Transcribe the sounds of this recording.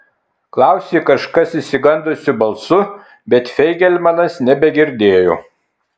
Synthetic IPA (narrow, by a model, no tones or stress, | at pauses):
klˠɑˑʊsʲeːkɐʃkɐsisʲɪɡɐnd̪oːsʲɪbɐlˠsʊ | bʲɛt̪fʲɛɪɡʲɛlʲmɐnɐsnʲɛbʲɛɡʲɪɾʲd̪ʲeːjoː